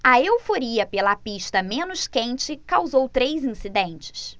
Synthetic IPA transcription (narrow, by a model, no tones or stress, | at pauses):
ɐewfoɾiɐpelɐpiʃt̪ɐmẽnʊʃkẽnt͡ʃɪkawzowt̪ɾejzĩsid̪ẽnt͡ʃɪ̥s